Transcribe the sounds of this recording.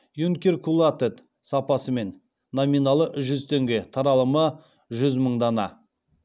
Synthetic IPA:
juŋkʲeɾkʰulˠat̪et̪ | sɑpɑsəme̞nː | ominɑlˠəʒʏzt̪ʰeŋɡʲe̞t̪ʰɑɾɑlˠəmə | ʒʏzməɴd̪ɑnɑ

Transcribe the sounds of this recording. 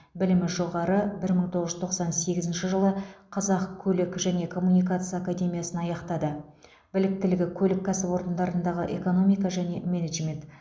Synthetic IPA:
bɪlɪmɪʒo̞ʁɑɾəbɪɾməɴt̪ʰo̞ʁəʒʏzt̪ʰo̞qsɑnse̞ɡʲɪzɪnʃɪʒəlˠəqʰɑzɑqkʲʰɵlɪkʒæne̞kʰo̞mːunijkat̪sɨjaːkad̪ʲe̞mʲijasənɑjɑqt̪ɑd̪ə | bɪlɪk̚t̪ɪlɪɡʲɪkʲʰɵlɪkʰʲːæsɪbo̞ɾd̪ənd̪ɑɾənd̪ɑʁəʔe̞ko̞no̞mijkɑʒæne̞meneʒme̞nt̪

